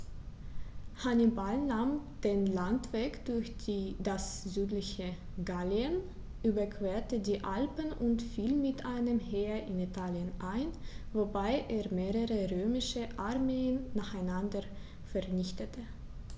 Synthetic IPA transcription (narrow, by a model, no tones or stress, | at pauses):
hanibalnaːmd̥eːnlantv̥eːkd̥ʊɐçd̥iːdaszyːtlɪçə | ɡaliən | ʔyːbɐkv̥eːɐtədiːʔalpənʔʊntfiːlmɪtʔaɪnəmheːɐɪnitʰaːljənʔaɪnvobaɪʔeːɐmeːʁəʁəʁøːmɪʃəʔaɐmeːənːaːχaɪnandɐ | fɛɐnɪçtətʰə